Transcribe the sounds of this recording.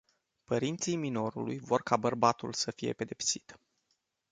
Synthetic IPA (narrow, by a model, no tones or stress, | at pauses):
pəɾint̪sijmino̞ɾṵlujvo̞rkabərbat̪ulsəfije̞̰pe̞d̪e̞psi̥t̪